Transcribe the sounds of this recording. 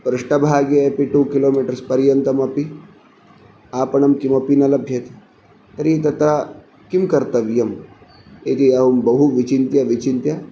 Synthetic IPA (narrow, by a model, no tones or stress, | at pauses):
pɾɨʂʈɐbʱaːɡjɐepiʈuːkiloːmiʈɐɾspɐɾjɐnt̪ɐmɐpi | aːpɐɳɐmkimɐpinɐlɐbʱjɐt̪ | t̪ɐɾit̪ɐt̪ɾa | kimkɐɾt̪ɐʋjɐm | eːd͡ʒ̪iɐʋumbɐɦuʋit͡ʃint̪jaʋit͡ʃint̪ja